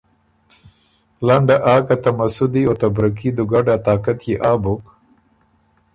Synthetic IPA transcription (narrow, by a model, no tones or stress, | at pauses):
laɳɖaʔaːkat̪amasʊd̪iot̪abɾakid̪ʊɡaɖat̪aːkat̪jeʔaːbok